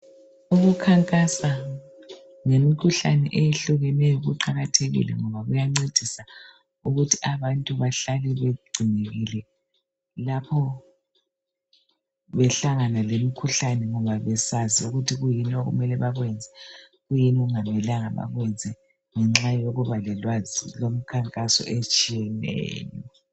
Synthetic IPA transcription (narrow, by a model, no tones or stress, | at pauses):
uɣukʰaŋkʼasa | ŋemikʰuɬanɛʔejeɬuɣɛnɛjɔɣuǃaɣatʰeɣḭlɛ̰ŋɔβaɣujaŋ͡ǀed̥ʱisa | uɣutʰiaβantʼuβaɬalɛβeɡ͡ǀʱineɣilɛ | lapʰɔ | βɛɬaŋanalemikʰuɬanɛŋɔβaβɛsaziuɣutʰiɣujinoɣṵmɛlɛβaɣwɛnd͡zʱɛ | ɣujiniɣuŋamɛlaŋaβa̰ɣwɛnd͡zʱɛ | ŋɛŋ͡ǁajoɣuβalɛlwazilom̩kʰaŋkʼasɔ̰ʔet͡ʃʼijɛnɛ̰ːjɔ̰